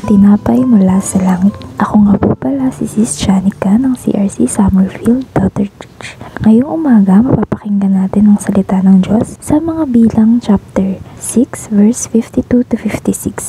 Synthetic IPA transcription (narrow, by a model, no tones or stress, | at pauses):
t̪ɪnaːpɐjmʊlasɐlaːŋɪt̪̚ʔɐkoŋɐpupɐlasɪsist͡ʃanɪkɐnɐŋsḭʔɐɹsisamɛlfildd̪ɛt̪ɛɹt͡ʃit͡ʃŋɐjoŋʔʊmaːɡɐmɐpapɐkɪŋɡɐnaːt̪ɪnɐŋsɐlɪt̪anɐŋd͡ʒosːɐmɐŋabiːlɐŋt͡ʃap̚t̪ɛɹsiksvɛɹsfift̪it̪ut̪ʊfift̪isiks